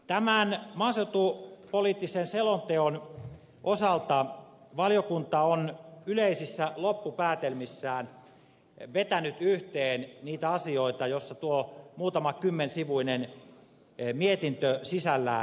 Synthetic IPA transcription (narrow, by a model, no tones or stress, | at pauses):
t̪æmænmɑnsewt̪upoliːt̪ːisenselont̪eon | ʔosɑlt̪ɑ | ʋɑljokunt̪ɑonyleisisːælopːupæːt̪elmisːæːn | ʋet̪ænyt̪yht̪eːnniːt̪æɑsioit̪ɑjosːɑt̪uomuːt̪ɑmɑkymːensiʋuinen | miet̪int̪øsisælːæ̰